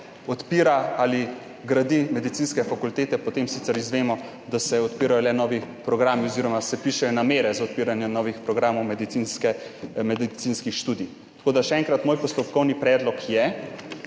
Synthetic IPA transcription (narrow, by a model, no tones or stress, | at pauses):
ɔt̪piːɾaaːli | ɡɾad̪imɛd̪it̪siːnskɛfakult̪eːt̪ɛpɔt̪eːmsiːt̪sɛɾizʋeːmɔ | d̪asɛɔt̪piːɾajɔlɛnɔːʋipɾɔɡɾaːmiɔziːɾɔmasɛpiʃɛjɔnameːɾɛzaɔt̪̚piːɾanjɛnɔːʋixpɾɔɡɾaːmɔwmɛd̪it̪sinskɛmɛd̪isinskixʃt̪uːd̪i | t̪ḁkoːd̪aʃɛɛŋkɾat̪moːjpɔst̪ɔp̚kɔwnipɾɛːd̪lɔkʰjɛ